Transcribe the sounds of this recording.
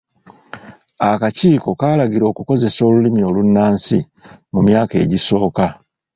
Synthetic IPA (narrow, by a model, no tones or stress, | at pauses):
akaciːko̞kaːlaɡiɾo̞ːkuko̞ze̞so̞ːlulimio̞lunːaːnsḭ | mumjaːke̞̰ːɟiso̞ːka